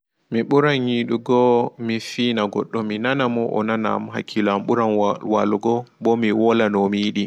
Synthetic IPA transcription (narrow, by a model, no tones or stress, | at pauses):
miɓuɾanɲiɗuɡɔmifiːnaɡɔ̰ɗːɔminanamɔʔɔ̰nana̰mɦa̰kʰːilamɓuɾanwaluɡɔbɔmiwɔlanɔmiɗi